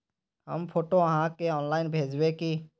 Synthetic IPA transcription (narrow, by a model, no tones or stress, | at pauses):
ɦə̰mpʰoːʈoəɦãkeɔːnlaːɪnbʱeːd͡ʒwekiː